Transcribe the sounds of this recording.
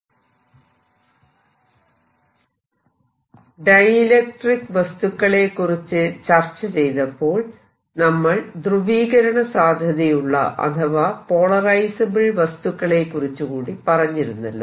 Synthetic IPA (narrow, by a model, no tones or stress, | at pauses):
ɖɐjilek̚ʈrikʋɐst̪ukːɐɭe̞kːurit͡ɕːɨt͡ɕɐrt͡ɕːɐt͡ɕe̞jt̪ɐpːo̞ːɭ | nɐmːɐɭd̪ruʋiːɣɐɾɐɳɐsaːd̪ʱjɐðijuɭːɐ̰ʔɐ̰t̪ʰɐʋɐpo̞ːɭɐrɐjsɐbiɭʋɐst̪ukːɐɭekːurit͡ɕːukuːɽipɐrɐɲːiɾunːɐ̰lːo̰